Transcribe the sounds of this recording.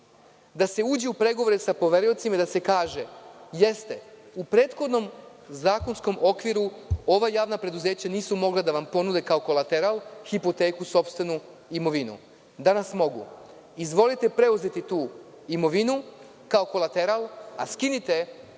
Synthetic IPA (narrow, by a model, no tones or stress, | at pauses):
d̪ase̞uːd͡ʑeupɾe̞ɡoʋo̞ɾesapo̞ʋe̞ɾio̞t̪simad̪ase̞kaːʒe̞je̞st̪e̞upɾe̞ːt̪xo̞d̪no̞m | zaːko̞nsko̞mʔo̞kʋiɾuo̞ʋajaːʋnapɾe̞d̪uze̞ːt͡ɕaniːsumo̞ɡlˠad̪aʋampo̞nud̪ekaoko̞lˠat̪eɾalxipo̞t̪e̞ːkuso̞pst̪ʋe̞nu | imo̞ʋinṵ | d̪anasmo̞ɡṵ | izʋo̞lit̪e̞pɾe̞uze̞t̪it̪uː | imo̞ʋinu | kao̞ko̞lat̪e̞ɾalˠaskinit̪e̞